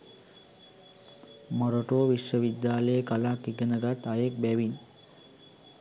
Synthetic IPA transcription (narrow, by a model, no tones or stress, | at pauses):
məɾoʈoːʋiʃʋəʋid̪jaːləjekalakiɡənəɡat̪ajek̚bɛʋin